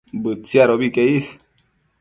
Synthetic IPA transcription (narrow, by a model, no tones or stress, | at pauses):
bɨt͡siaɾoβikeis